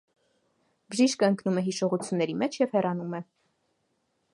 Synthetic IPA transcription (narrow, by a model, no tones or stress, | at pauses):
bəʒiʃkəəŋknumɛɦiʃɔʁut͡sʰjunːɛɾimɛt͡ʃʰjɛvhɛrɑnumɛ